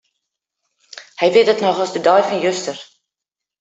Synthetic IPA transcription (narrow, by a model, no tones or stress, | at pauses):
həjviətdətnɔχɐsdədɑːjfɑnjɵstər